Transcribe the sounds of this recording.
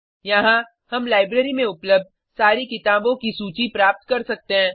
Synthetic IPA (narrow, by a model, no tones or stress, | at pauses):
jɐɦã | hɐmlaːɪbɾeːɾimẽʊpləb̚d̪̚ | saːɾikɪt̪aːbõkisuːt͡ʃipɾaːp̚t̪kɐɾsɐk̚t̪eɦɛ̃ː